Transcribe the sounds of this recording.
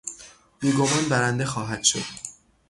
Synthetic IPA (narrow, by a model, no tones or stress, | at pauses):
biːɡo̞mɒːnbæɾænd̪e̞xɒːɦæd̪̥ʃo̞̰d̪̥